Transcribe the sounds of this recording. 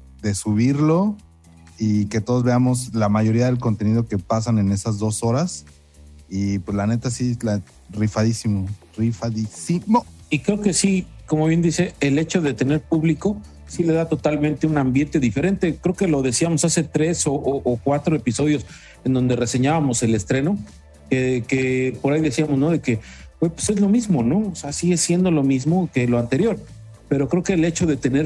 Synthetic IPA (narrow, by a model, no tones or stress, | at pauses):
d̪e̞suβiɾlo̞ | ike̞t̪o̞ðo̞zβe̞amo̞slamaʝo̞ɾiaðe̞lko̞nt̪e̞niðo̞ke̞pas̬ane̞ne̞sazðo̞so̞ɾas | ipwezlane̞t̪asiela | rifaðisimo | rifaðisimoikɾe̞oke̞siko̞mo̞βje̞nd̪ise̞ːle̞t͡ʃo̞ðe̞t̪e̞ne̞ɾpuβliko̞ | sile̞ðat̪o̞t̪almẽnt̪eunambje̞nt̪e̞ðife̞ɾe̞nt̪e̞kɾe̞oke̞lo̞ðe̞siamosase̞t̪ɾe̞soʔoʔːkwat̪ɾoe̞piso̞ð̞jo̞s | e̞nd̪o̞nd̪e̞re̞se̞ɲaβamo̞se̞le̞st̪ɾe̞no̞ | kekepoɾajðe̞siamo̞zno̞ðe̞ke̞bwepwese̞zlo̞mizmo̞no̞oseasiɣe̞sje̞nd̪olo̞mizmo̞ke̞loant̪e̞ɾjo̞ɾ | pe̞ɾo̞kɾe̞oke̞ːle̞t͡ʃo̞ðe̞t̪e̞ne̞ɾ